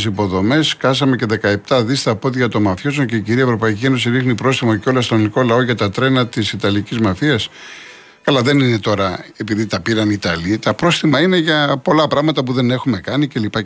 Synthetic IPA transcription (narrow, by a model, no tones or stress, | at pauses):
sipo̞ðo̞me̞skɐsɐme̞ce̞ðe̞kɐe̞p̚t̪ɐðist̪ɐpo̞ðʝɐt̪o̞mɐfços̬oŋce̞iciɾiɐevɾo̞pɐicʲie̞no̞siɾixnipɾo̞sθimɐceo̞lɐst̪ɾonoliko̞lɐo̞ʝɐt̪ɐt̪ɾe̞nɐt̪isit̪ɐlicizmɐfiɐs | kɐlɐðe̞nine̞t̪o̞ɾɐe̞piðit̪ɐpiɾɐnit̪ɐlit̪ɐpɾo̞sθimɐine̞ʝɐpo̞lɐpɾɐɣmɐt̪ɐpuðe̞ne̞xume̞kɐnice̞lipɐ